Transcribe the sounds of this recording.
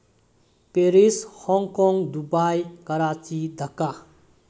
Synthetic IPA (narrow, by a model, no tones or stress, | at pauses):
peɾishɔŋkɔŋɡd̪ubajkɐɾat͡ʃid̪ʱəka